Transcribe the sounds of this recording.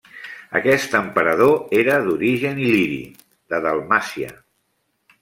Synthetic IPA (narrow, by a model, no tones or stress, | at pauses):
ə̰kɛst̪əmpəɾəð̞oeɾəðuɾiʒəniliɾḭ | ðəðəlˠmasiə̰